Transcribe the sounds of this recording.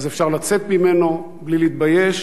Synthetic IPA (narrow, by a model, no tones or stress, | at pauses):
zefʃaʁlat͡se̞t̪̚mime̞no̞ | blileiːt̪̚baje̞ʃ